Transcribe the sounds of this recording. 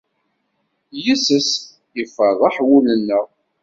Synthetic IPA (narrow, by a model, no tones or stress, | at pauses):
jisəs | ifəðˤɑħwulənːəʁ